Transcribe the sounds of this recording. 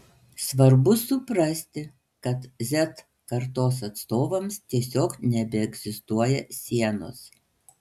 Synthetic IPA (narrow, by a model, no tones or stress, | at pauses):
sʋɐɾbʊsʊpɾɐsʲt̪ʲɪ | kɐt̪zʲɛt̪ | kɐɾt̪oːs̬ɐt̪st̪oːʋɐmst̪ʲiɛsʲoːknʲɛbʲɛɛɡzʲɪst̪uɔjɛsʲiɛno̰ːs